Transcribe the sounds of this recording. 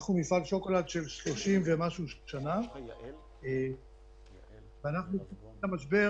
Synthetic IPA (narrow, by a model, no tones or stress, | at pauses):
χnumifaɡʃo̞ko̞lad̪ʃe̞lʃlo̞ʃimvemaʃuʃana | e | veanaχnui | lamaʃ̬be̞